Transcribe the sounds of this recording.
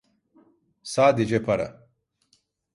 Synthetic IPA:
saːd̪id͡ʑepʰɐɾɐ̰

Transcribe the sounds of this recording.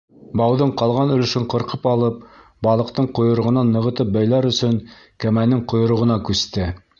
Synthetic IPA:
bɑwðɤɴqɑlˠʁɑnɵ̆lɵ̆ʃɘɴqɤ̆ɾqɤpɑlˠɤp̚ | bɑlˠɤ̆qt̪ɤɴqŏjŏɾŏʁɤ̆nɑnːɤ̆ʁɤ̆t̪ɤp̚bæjlˠɑɾɵ̆sɵŋ | kæmænɘŋqŏjŏɾŏʁɤ̆nɑkʉst̪ɘ

